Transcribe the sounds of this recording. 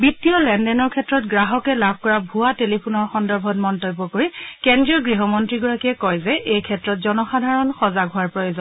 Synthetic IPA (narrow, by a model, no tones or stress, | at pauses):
bitiɔlɛndɛnɔɹkʰɛtːɹɔtɡɹaɦɔkɛlabʱkɔɹabʱuatelipʰunɔɹxɔndɔɹbʱɔt̚mɔntɔbːɔkoɹikɛndɹiɔɡɹiɦɔmɔntɹiɡɔɹakiɛkɔjzɛʔejkʰɛtɹɔtzɔnɔxadʱaɹɔnxɔzaɡɦʊaɹpɹojozɔn